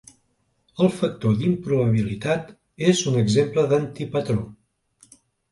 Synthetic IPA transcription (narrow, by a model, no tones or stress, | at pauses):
əlˠfək̚t̪od̪impɾuβəβ̞ilit̪at̪ | ezunəɡzempləðənt̪ipət̪ɾo